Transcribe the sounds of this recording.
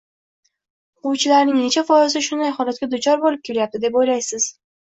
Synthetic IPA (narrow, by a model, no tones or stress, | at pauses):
qʊwt͡ʃʰɪlaɾnɪŋne̞t͡ʃʰafɒɪzɪʃʊnd̪ajχɒlˠat̪̚kʲad̪ʊt͡ʃʰɒɾbolˠɪp̚kʲʰe̞ljap̚t̪ɪd̪e̞pojlajsɪz̥